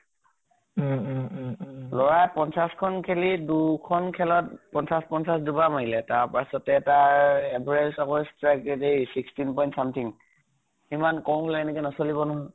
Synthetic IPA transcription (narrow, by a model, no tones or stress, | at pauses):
lɔɹajpɔnsaskʰɔnkʰelidukʰɔnkʰɛlɔtpɔnsaspɔnsasdubamaɦilɛtaɹpasɔtɛːtaɹɛbɹɛlsɔkɔstɹɛkɛdesikstinpɔjntsamtʰiŋ | himankɔw̃ɦulɛɛnɛkɛnɔsolibɔnɔɦɔ